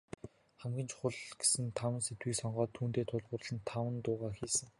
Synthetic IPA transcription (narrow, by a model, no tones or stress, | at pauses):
χæmɡʲĭnt͡ɕʰχʊɮɡ̥e̥sɘ̆nt̪ʰawə̆nset̪wiːksɔɴɢɔːt̪ʰːuːnt̪eːt̪ʰʊɮʁʊːrɮə̆nt̪ʰːawə̆nt̪ʊːʁaːxiːsə̆ŋ